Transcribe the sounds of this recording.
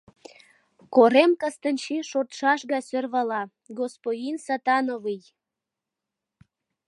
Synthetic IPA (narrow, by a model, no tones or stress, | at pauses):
koɾemkəst̪ənʲt͡ɕiʃot̪ʃɑʃɣɑsørβɑlɑ | ɡospodʲinsɑt̪ɑnovɯj